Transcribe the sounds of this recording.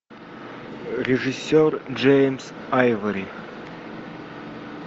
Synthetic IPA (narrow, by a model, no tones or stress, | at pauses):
rʲeʐɨsʲːord͡ʒejms | ajvɐɾʲi